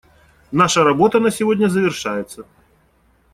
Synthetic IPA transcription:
naʂɐɾabɔt̪ɐnɐsʲɪvɔdʲnʲɐzɐvʲɪrʂajɪt̪sːə

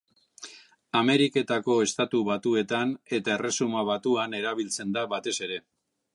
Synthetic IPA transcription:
ame̞ɾike̞t̪ako̞e̞st̪at̪uβat̪ue̞t̪ane̞t̪ae̞re̞sumaβat̪uane̞ɾaβ̞ilt͡se̞nd̪aβat̪e̞se̞ɾe̞

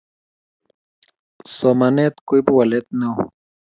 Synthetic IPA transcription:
somanet̪kʊjbwalet̪̚naw

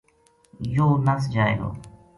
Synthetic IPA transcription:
joːnəsd͡ʒaːḛɡo̰ː

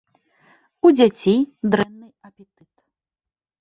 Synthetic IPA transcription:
ud͡zʲat͡sʲid̪ɾɛnːɨjɐpʲɛt̪ɨt̪

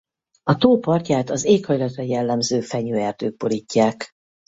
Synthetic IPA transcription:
ɒt̪oːpɒrcaːt̪ɒzeːkhɒjlɒt̪rɒjɛlːɛmzøːfɛɲøːɛrd̪øːɡ̚boɾicːaːk

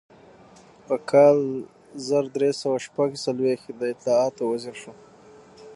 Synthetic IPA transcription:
pəkʰɑl | zəɾd̪ɾesawaʃpaɡsalwexd̪əɪt̪lɑɑt̪owaziɾʂo

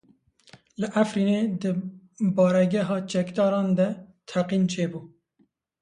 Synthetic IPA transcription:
lɨʔæfɾiːneːd̪ɨ | bɑːɾɛɡɛɦɑːt͡ʃɛkd̪ɑːɾɑːnd̪ɛt̪ʰæqiːnt͡ʃʰeːbuː

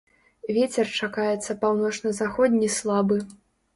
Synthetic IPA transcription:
vʲet͡sʲɛrt͡ʂakajɛt̪sːɐpawnɔt͡ʂnɐzaxɔd̪ʲnʲislˠabɨ

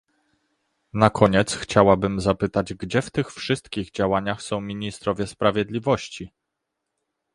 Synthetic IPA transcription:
nakʰɔɲɛt̪sxt͡ɕawabɘmzapɘt̪ad͡ʑɡd͡ʑɛft̪ɘxfʂɘst̪kʲiɣd͡ʑawaɲaxsɔ̃w̃mʲiɲist̪ɾɔvʲjɛspɾavʲjɛd̪lʲivɔɕt͡ɕi

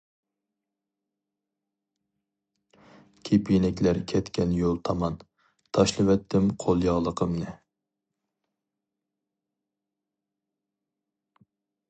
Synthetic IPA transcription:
kʲʰepjenɛkʲlæɾkʲʰɛt̪kʲʰɛnjolˠt̪ʰɑmɑn | t̪ʰɑʃlˠɨwɛt̪ʰːɪmqʰolˠjɑʁlˠəqʰəmnɪ

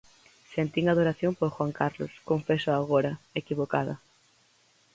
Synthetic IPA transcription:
sent̪iŋað̞oɾaθjompoɾxwaŋkaɾlo̰skoɱfesʊaɣoɾɐekiβoka̰ðɐ̰

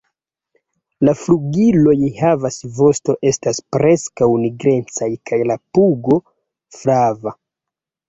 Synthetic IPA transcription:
lafluɡilo̞jhavasvo̞sto̞ʔe̞staspɾe̞skawniɡɾe̞nt͡sajkʰajlapuɡo̞ | flava

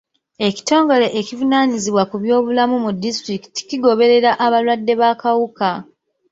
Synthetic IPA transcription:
e̞ci̥to̞ːŋɡo̞le̞ʔecivunaːɲiziβwakuβjo̞ːβulamumudːistɾiki̥ti̥ciɡo̞βe̞ɾe̞ɾaʔaβalwadːe̞βakawuka

